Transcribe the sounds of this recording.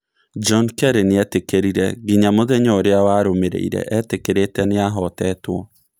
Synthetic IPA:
d͡ʒɔnkɛɾeneɛtekeɾiɾɛɡiɲamoðɛɲɔɾeawaɾomeɾḛḭɾɛ̰ʔɛtekeɾetɛneaɦɔtɛtwɔ

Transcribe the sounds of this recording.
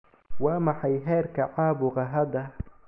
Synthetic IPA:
wɑːmɑħɑjɦɛːrkʰɐʕaːbʊʁɑɦɐd̪ɐ

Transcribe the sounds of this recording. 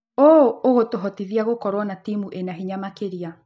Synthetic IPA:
ooɣotoɦɔtiðiaɣokɔɾwɔnatimuʔenaɦiɲamakeɾia

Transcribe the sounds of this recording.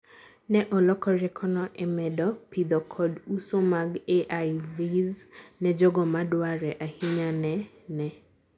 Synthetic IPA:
nɛʔɔlɔkɔɾɛkʰɔnɔʔɛmɛdɔpid̪ɔkʰɔdusomaɡeʔaviznɛd͡ʒɔɡɔmadwaɾɛʔahiɲanɛ | nɛ

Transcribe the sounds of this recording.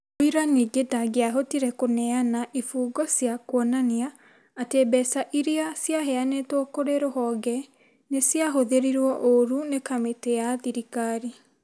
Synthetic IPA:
oiɾaniɡedaɡeaɦotiɾɛkonɛanaʔifuːɡɔsjakwɔnaniaː | tebɛsaʔiɾeasjaɦɛanɛtokoɾeɾohɔːɡɛ | nesjaɦoðeɾiɾwɔʔoɾunekametejaðiɾikaɾi

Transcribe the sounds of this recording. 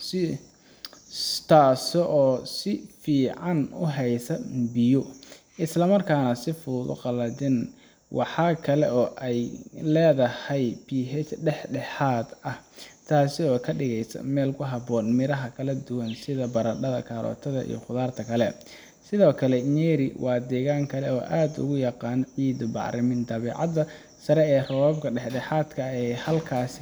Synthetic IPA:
s | t̪ʰaːsɔʔɔːsɪfiːʕɑnʊ̰ɦɛjsɐbɪjʊ | ɪslɐmɐrkʰaːnɐsɪfʊːðʊ̰qɑlɐd̪ɪn | wʔɑħɑːkʰɐlɛɔːʔɛjlɛːðɐhɛjbiːɦɛt͡ʃɖɛħɖɛħaːd̪ɐht̪ʰaːsɪɔːkʰɐɖɪɣɛjsɐ̰mɛːlkʰʊɦɑbɔːnmɪɾɐɦɐkʰɐlɐd̪ʊwɐnsɪðɐbɐɾɐɖɐðɐ̰kʰaːɾɔ̰ːt̪ʰɐðɐʔḭjɔ̰χʊðaːrt̪ʰɐkʰɐlɛ | sɪðɔːkʰɐlɛnɛːɾɪwʔɑːd̪ɛːɣaːŋkʰɐlɛɔːʔaːd̪ʊ̰ɣʊjɑqɑːnʕiːd̪ʊbɑ̰ʕɾɪmɪnd̪ɐβɛːʕɑ̰d̪ɐ | sɐɾɛɛːrɔwaːbkʰɐɖɛħɖɛħaːd̪kʰɐɛːhɐlkʰaːs

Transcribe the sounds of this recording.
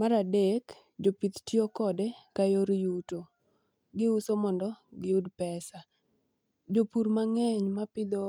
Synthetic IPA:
maɾadek | d͡ʒopit̪tjokɔdɛkajoɾijuto | ɡɪusomɔndɔɡɪudpɛsa | d͡ʒopuɾmaŋɛɲmapɪd̪ɔ

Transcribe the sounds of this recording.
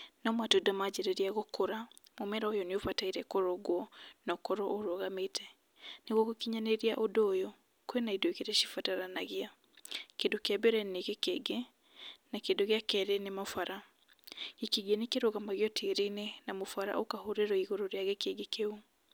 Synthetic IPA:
nɔmwatodamad͡ʑeɾeɾiaɣokoɾamomɛɾaojɔneofataiɾɛkoɾɔɣwɔnɔkɔɾɔʔoɾoɣametʰɛ | neɣwɔkokiɲaneɾiaʔodɔːjɔ | koenaidoekeɾɛʃifataɾanaɣia | kendokeabeɾɛneɣekeɡe | nakendoɣeakɛɾenemofaɾa | ikiɣienekeɾoɣamaɣjɔtʰeɾinenamofaɾa̰ʔokahoɾeɾɔiɣoɾɔɾiaɣekeɡekeu

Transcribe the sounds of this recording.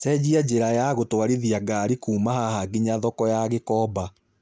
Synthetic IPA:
tɛd͡ʑiad͡ʒeɾajaɣotwaɾiðiaɡaːɾikuːmahahaɡeɲaðɔkɔjaɣekɔːba

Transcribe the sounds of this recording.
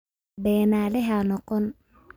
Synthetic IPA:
bɛːnaːlɛɦɐnɔqɔn

